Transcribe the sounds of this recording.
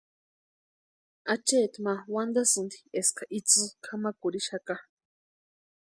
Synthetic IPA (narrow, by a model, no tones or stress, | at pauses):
at͡ʃeːt̪mawand̪asɨnd̪i̥eskaʔit͡sɨkʰamakuɾiʃaka